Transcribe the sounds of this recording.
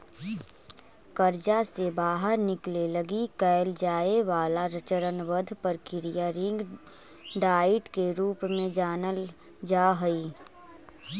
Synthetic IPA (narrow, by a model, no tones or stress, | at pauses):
kəɾd͡ʒasebaːɦəɾnɪkleləɡikɛːɪld͡ʒaːeʋaːlaɾət͡ʃəɾənʋəd̪ʱpəɾkɪɾijaɾɪ̃ŋɡ | ɖaːɪʈkeɾuːpmẽd͡ʒaːnəl | d͡ʒaːɦəiː